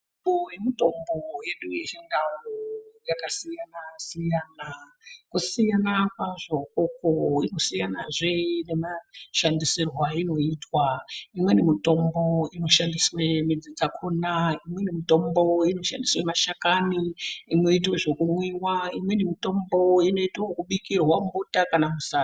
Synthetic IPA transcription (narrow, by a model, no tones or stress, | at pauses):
ojemito̞mbo̞je̞ɗujet͡ʃendawujakasijanasijaːna | kusijanakwaʐo̞ukoino̞sijanaʐene̞maʃandisirwaino̞itwaimwe̞nemito̞mbo̞ino̞ʃandiswe̞mid͡zid͡zakʰunaimwe̞nemito̞mbo̞ino̞ʃandiswe̞maʃakaniːno̞itweʐokumwiwaimwe̞nemito̞mbo̞ino̞itokuɓikirwambutakanamusa